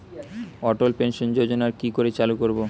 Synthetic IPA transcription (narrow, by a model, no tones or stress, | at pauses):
ɔʈolpenʃond͡ʑod͡ʑonaɾkikoɾet͡ɕalukoɾbo